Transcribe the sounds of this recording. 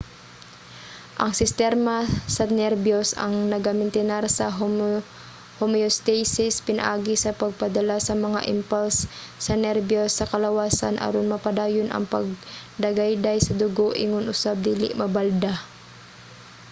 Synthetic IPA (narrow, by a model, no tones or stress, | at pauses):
ʔɐŋsɪst̪ɛɾmɐsɐnɛɾbjosɐ̰ŋnɐɡamɪnt̪ɪnaɾsɐɦ | homiost̪ɛjsɪspɪnɐ̰ʔaːɡɪsɐpɐɡ̚pɐd̪ɐlasɐmɐŋa̰ʔɪmpalsːɐnɛɾbjosːɐkɐlɐwaːsa̰nʔɐ̰ɾonmɐpɐd̪aːjonʔɐ̰ŋpɐɡ̚d̪ɐɡajd̪ajsɐd̪ʊɡoʔɪŋʊnʔʊsab̚d̪iːlɪ̰ʔmɐbald̪a